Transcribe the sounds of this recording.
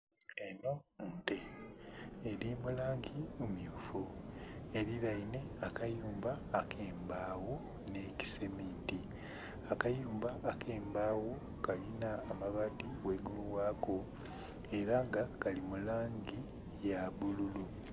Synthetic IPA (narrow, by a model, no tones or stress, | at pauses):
eno̞nteː | ɾimulaːŋɟiumjuːfue̞ɾiɾaine̞akajuːmbaːkʰeːmbaːwo | ne̞ci̥se̞miːnti | akajuːmbaʔːkʰeːmbaːwo̞ | kalinaːmaβadiweːɡuluwaːko̞ | e̞ɾaŋɡakalimulaːŋɟi | jaβululu